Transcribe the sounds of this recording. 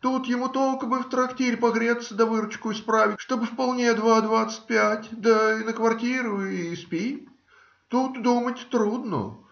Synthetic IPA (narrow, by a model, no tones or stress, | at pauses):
t̪ut̪jɪmut̪o̞lˠkəbɨft̪ɾɐktʲeɾʲpɐɣɾʲet̪səd̪ɐvɨɾʊt͡ɕkʊɪspɾavʲɪtʲʂt̪o̞bɨfpɐlˠnʲed̪vad̪vat̪sɨ̥t̚ʲpʲætʲd̪ənəkvɐrtʲiɾʊispʲi | t̪ut̪d̪umətʲt̪ɾud̪nə̰